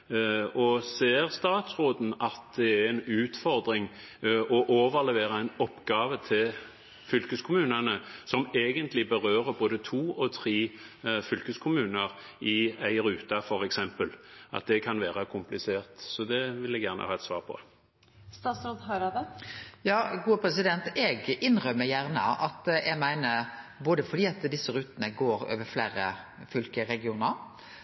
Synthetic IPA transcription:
ɔseːʁst̪ɑːt̪sɾoːd̪n̩ɑt̪̚d̪ɛæɾɛnʉːt̪fɔɾd̪ɾɪŋ | ɔʔoːʋəʁlɛʋeːʁɑɛɪnɔpːɡ̥ɑːʋət̪ʰɪl | fʏlkəskʰʊmʉːnənəsɔmeːɡənt̪ʰlɪbəʁøːʁəboːd̪ət̪ʰuːɔt̪ʰʁiːfʏlkəskʰʊmʉːnəʁ | ɪæɪɾʉːt̪ɑfɔɾɛksɛmpəlɑ̰t̪̚d̪ɛkʰɑnʋæːʁɑkʰʊmplɪseːʁt̪sɔd̪ɛʋɪlɛɡjæːʁnə̰hɑːɛt̪sʋɑ̰ːʁpʰɔ̰ | st̪ɑːt̪sɾod̪ɦɑɾɑd̪əjɑːɡuːəpʰɾɛsɪd̪ɛnt̪ɛɡʔɪnʁœmːəjæʁnəɑt̪jɛɡmæɪnəɾboːd̪əfɔɖiːɑt̪d̪ɪsːəɾʉːt̪ənəɡoːɾø̰ːʋəɾflæːɾəfʏlkəɾɛɡɪuːnəɾ

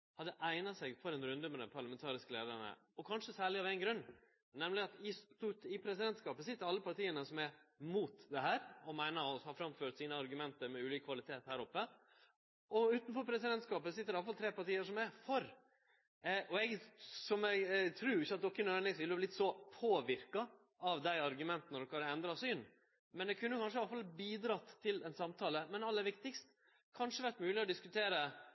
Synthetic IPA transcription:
hɑd̪ːəʔæɪnɑsɛɡfɔɾɛnɾʉnd̪əmɛd̪ɛmpʰɑɾɭɑmɛnt̪ʰɑːɾɪskəleːd̪æɳə̰ | ɔkʰɑnʂəsæːɭɪɑʋæɪnɡɾʉnː | nɛmlɪɑt̪ɪst̪ut̪ɪpʰɾɛsɪd̪ɛnt̪skɑːpəsɪt̪ːəɾɑlːəpʰɑʈiːənəsɔmæɾmuːt̪d̪ɛhæːɾɔmæɪnɑɔhɑːfɾɑmføːʈ̪siːnəɑɾɡʉmɛnt̪əɾmɛʉːliːkəkʰʋɑlɪt̪ʰeːt̪hæːɾɔpːə | ʔɔʉːt̪n̩fɔɾpʰɾɛsɪd̪ɛnt̪skɑːpəsɪt̪ːəɾɛɑlfɑlt̪ʰɾeːpɑʈiːəʂɔmɛfɔɾ | ɔɛɡsɔmɛɡt̪ʰɾʉːɾɪçːəɑt̪̚d̪ɔkːənøːnɪsʋɪlːəhɑblɪt̪sɔpʰoːʋɪɾkɑ | ɑʋd̪æɪɑɾɡʉmɛnt̪ənəɾɔkʰːɑɾəɛnd̪ɾɑsyːn | mɛnd̪ɛkʰʉnːəjʊkɑnʂəɑləfɑlbiːd̪ɾɑt̪ʰːɪlɛnsɑmt̪ʰɑːləmɛnɑlːəʋɪkt̪ɪkst̪ | kʰɑnʂəʋæʈmʉːlɪɔd̪ɪskʉt̪ʰeːɾə

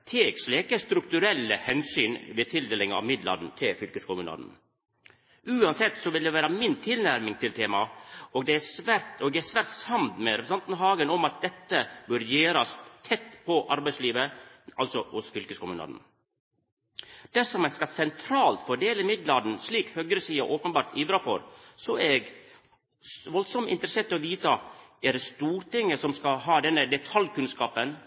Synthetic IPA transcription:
t̪ʰeːɡslɛkəst̪ɾʉkt̪ʉɾɛlːəhɛnsyːnʋeːt̪ʰɪld̪eːlɪŋɑ̰ʋmɪd̪lɑ̰d̪n̩t̪ʰɪlfʏlkəskʊmʉːnɑ̰d̪n̩ | ʔʉːɑnsɛt̪ːsɔʋɪld̪ɛʋæːɾɑmɪnt̪ʰɪlnæɾmɪŋt̪ʰɪlt̪ʰeːmɑɔːɡd̪ɛæsʋæɾt̪ɔɡd̪ɛæsʋæːɾt̪sɑmt̪mɛɾɛpɾsɑnt̪nəɦɑːɡənɔmɑt̪̚d̪ɛt̪ːəbøːɾjeːɾɑst̪ʰɛt̪ːpʰɔʔɑɾbæɪsliːʋəɑlsɔhʊsfʏlkəskʊmʉːnɑ̰d̪n̩ | d̪̥æʂɔmɛskɑsɛnt̪ʰɾɑːlt̪fɔɖeːləɪmɪd̪lɑd̪n̩sliːkhøːɡɾəsiːɑ̰ʔoːpənbɑːɾʈ̪iːfɾɑfɔ̰ɾsɔɛɡ | sʋɔlsɔmɪ̰nt̪əɾəseːɾʈ̪ɪɔʋiːt̪ɑɛɾɛst̪uːɾʈɪŋːəsɔmskɑɦɑːd̪ɛnːəd̪ɛt̪ʰɑljkʉnskɑːpən

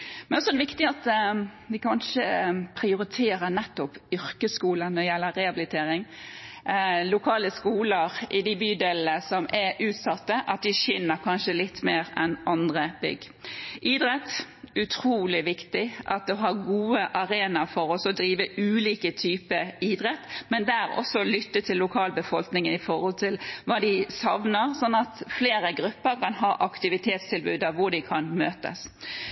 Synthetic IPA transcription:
mɛnɔsɔɛd̪ɛʋɪkt̪ɪɑt̪ʋɪkʰɑnʂəpʰɾɪʊɾɪt̪ʰeːɾənɛt̪ːɔpʏɾkəskuːlənɔd̪ɛjɛlːəɾɛɑbɪlɪt̪ʰeːɾɪŋ | lʊkʰɑːləskuːləɾʔɪd̪ɪbyːd̪eːln̩əsɔmʔɛɾʔʉːt̪sɑt̪ːəʔɑt̪̚d̪ɪçɪnːəɾkʰɑnʃəlɪt̪ːmeːɾɛnʔɑnd̪ʁəbʏ̰ɡ | ʔiːd̪ɾɛt̪ː | ʉt̪ʰɾuːlɪʋɪkt̪ɪʔɑt̪̚d̪ɛɦɑɾɡuːəʔɑɾeːnɑfɔɾɔsɔd̪ɾiːʋəʉːliːkət̪ʰyːpəiːd̪ɾɛt̪ːmɛnd̪ææɾɔ̰sːɔlʏt̪ːət̪ʰɪlːʊkʰɑːlbəfɔlknɪŋənɪfɔɾhɔlt̪ʰɪlʋɑːd̪ɪsɑʋnəɾsɔnːɑt̪fleːɾəɡɾʉpːəɾkʰɑnɦɑːʔɑkt̪ɪʋɪt̪ʰeːt̪st̪ʰɪlbʉːd̪ɑʋʊɖɪkʰɑnmøːt̪ə̰s

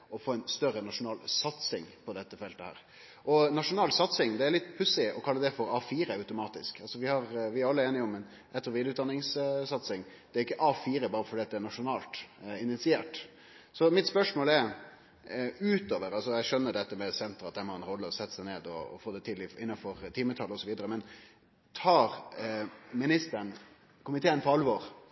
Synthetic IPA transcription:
ɔfoːɛnst̪œɾːənɑʂʊnɑːlsɑt̪sɪŋpʰɔd̪ɛt̪ːəfɛlt̪əhæ̰ːɾ | ʔɔnɑʂʊnɑːlsɑt̪sɪŋd̪ɛæɾlɪt̪ːpʰʉsɪɔkʰɑlːəd̪ɛfɔɾɑfiːɾəœʉt̪ʊmɑːt̪ɪskɑlsɔʋɪhɑɾʋɪæɾɑlːəeːnɪɔmːɛn | ɛt̪əɾɔʋɪːd̪ʉt̪ɑnːɪŋssɑt̪sɪŋd̪̥ɛæɾɪkːəʔɑfiːɾəbɑːɾəfɔɖiːɑt̪d̪ɛæɳɑʂʊnɑːlt̪ɪnɪt̪sɪeːʈ | sɔmɪt̪spœʂmoːlɛɾ | ʉːt̪oːʋəɾɑlsɔjæɪʂœnːəɖɛt̪ːəmɛsɛnt̪əɾɑt̪dɛnhɑɾɛnɾɔlːəɔsɛt̪ːəsæɪneːd̪ɔ̰ːfoːd̪ɛt̪ʰɪlːɪɪ̰nːɑnfɔɾt̪ʰɪmət̪ʰɑlɔsɔʋiːd̪əɾəmɛn | t̪ʰɑːɾ | mɪnɪst̪ən | kʊmɪt̪ʰeːənpʰɔɑlʋɔːɾ

